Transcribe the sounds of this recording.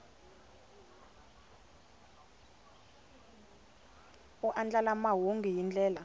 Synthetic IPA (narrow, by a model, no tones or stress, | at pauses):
uʔand͡ɮalamaɦoŋɡijind͡ɮʱʼɛːla